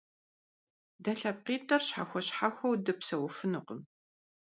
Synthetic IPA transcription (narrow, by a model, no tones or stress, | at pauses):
dɐɬɐp̚qiːtʼɐrɕħaxʷɔɕħaxʷɐwdɨpsɐwʊfɨnɨqəm